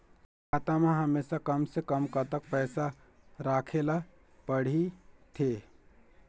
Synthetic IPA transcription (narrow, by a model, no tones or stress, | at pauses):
ɡaːt̪amẽɦəmeːsakəmsekəmkət̪ək̚pɛːsa | ɾaːkʰela | pəɽ̤it̪ʰeː